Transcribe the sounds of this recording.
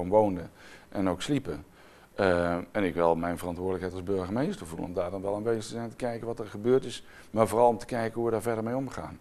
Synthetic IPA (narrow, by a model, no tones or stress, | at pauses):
ɔmʋowndəʔɛnowkslipə | əɛnɪkʋɛlˠmɛjnvərɑntʋʊːɹdələkɦɛjtɑlˠzbøɹɣəmejstəɹvulˠənɔmdaːɹdɔnʋɛlˠanʋejzstəzɛjntə̥kɛjkənʋɔtəɹχəbøːɹtɪs | maːɹvoːrɑlˠɔmtə̥kɛjkənɦuədaːɹvɛɹdəɹmejɔmχa̰ːn